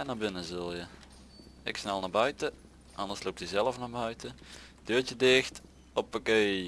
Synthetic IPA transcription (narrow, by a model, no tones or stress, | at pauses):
ɛnaːbɪnəzəlˠjə | ɪksnɛlˠnabœɥtə | ʔɑndəslok̚tizɛlˠəfnabœɥtəd̥øːtjədɪxt | ɔpokeː